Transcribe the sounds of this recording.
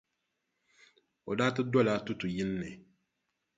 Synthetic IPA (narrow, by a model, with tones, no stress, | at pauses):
o˨daː˦tɨ˦dɔ˦la˦tu˦tu˨ji˦nːɛ˨